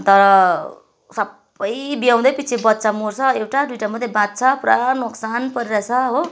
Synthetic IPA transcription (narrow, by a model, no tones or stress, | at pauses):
t̪ʌɾʌ | sʌb | ʌjbijaw̃d̪ʌjpit͡sʰibʌt̪ːt͡samort͡sʰʌewʈaɖwiʈamʌd̪ʱjebãt̪̚t͡sʰʌpuɾanoksanpʌɾiɾat͡sʰʌɦo